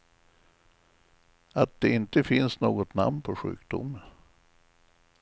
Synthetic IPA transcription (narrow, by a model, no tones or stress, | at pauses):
at̪̚d̪̥ɛɪnt̪əfɪnsnoːɡɔt̪na̰mnpʰɔɧʉ̟̰ːkd̪ʊ̰mːən